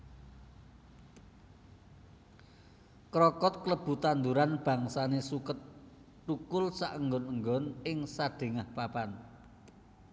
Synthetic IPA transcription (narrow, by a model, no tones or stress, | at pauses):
kɾɔkɔt̪̚kləb̥ṳt̪and̪uɾanb̥a̤ŋsanesukət̪̚ː | ukʊlsaʔəŋɡɔnəŋɡɔnɪŋsaɖ̥e̤ŋahpapan